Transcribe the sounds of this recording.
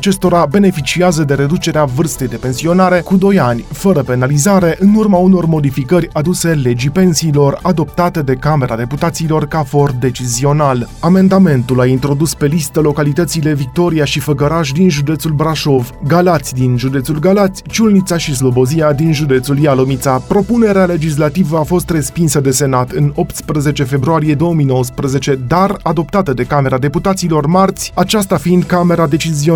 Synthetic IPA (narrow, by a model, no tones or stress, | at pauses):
at͡ʃe̞st̪o̞ɾabe̞ne̞fit͡ʃiazəd̪e̞ɾe̞d̪ut͡ʃe̞ɾeavɨrst̪e̞jd̪e̞pe̞nsio̞naɾe̞kud̪o̞janʲfəɾəpe̞nalizaɾe̞ʔɨnurmauno̞rmo̞d̪ifikəɾʲad̪use̞le̞d͡ʒipe̞nsiːlo̞rad̪o̞p̚t̪at̪e̞d̪e̞kame̞ɾʔad̪e̞put̪at̪siːlo̞rkafo̞rd̪e̞t͡ʃizio̞nalame̞nd̪ame̞nt̪ulaint̪ɾo̞d̪uspe̞list̪əlo̞kalit̪ət̪sile̞vik̚t̪o̞ɾiaʃifəɡəɾaʃ̬d̪inʒud̪e̞t̪sulbɾaʃo̞vɡalat̪sʲd̪inʒud̪e̞t̪sulɡalat̪sʲt͡ʃulnit̪saʃis̬lo̞bo̞ziad̪inʒud̪e̞t̪suljalomit̪sapɾo̞pune̞ɾeale̞d͡ʒis̬lat̪ivəafo̞st̪re̞spinsəd̪e̞se̞nat̪ɨno̞p̚t̪spɾəze̞t͡ʃe̞fe̞bɾuaɾije̞d̪o̞wəmijno̞wəspɾəze̞t͡ʃe̞d̪arad̪o̞pt̪at̪əd̪e̞kame̞ɾad̪e̞put̪at̪silo̞rmart̪sʲat͡ʃast̪afind̪kame̞ɾad̪e̞t͡ʃizio